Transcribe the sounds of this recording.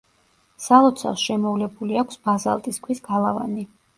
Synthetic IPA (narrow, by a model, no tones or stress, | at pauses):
salˠɔt̪sʰa̰lˠsʃɛmɔvlɛbuliakʷʰsb̥aza̰lˠt̪ʼiskʰwisɡalˠava̰ni